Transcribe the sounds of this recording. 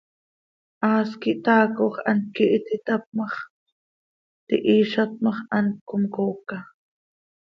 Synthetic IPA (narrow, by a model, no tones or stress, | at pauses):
ʔɑːskiʔt̪ɑːkoχɑnkiʔt̪it̪ap̚mɑχ | t̪ḭʔiːʃat̪̚mɑχʔɑnkomkoːka